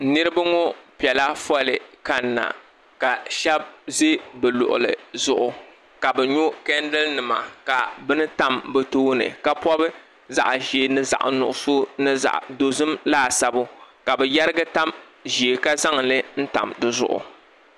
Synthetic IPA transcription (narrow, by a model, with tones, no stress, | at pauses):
nɨ˦ɾɨ˦ba˦ŋo˦pi˨ɛ˨la˦fɔ˦lɨ˨ka˦˨nːa̰˨ | ka˨ʃɛ˦b̚ze˦bɛ˨lʊ̰˨ʔʊ̰˨lɨ̰˨zʊ˦ʔʊ˨ | ka˨bɛ˨ɲo˦kɛ˦n˦dɨ˦lnɨ˨ma̰˨ka˨bɨ˦nɨ˦ta˦mbɛ˦toː˦nɨ̰˨ka˨pɔ˦bɨ˦ | za̰˦˨ʔʒeː˨nɨ˦za̰˦˨ʔnʊ̰˨ʔʊ˨so˦nɨ˦za̰˨ʔdo˨zɨ˦mlaː˦˨sa˨bʊ˦ka˨bɛ˨ja˦ɾɨ˦ɡɨ˦ta˦m | ʒi˨e˨ka˦za˦ŋlɨ˦n̩˦ta̰˨mdɨ˦zʊ̰˦ʔʊ̰˨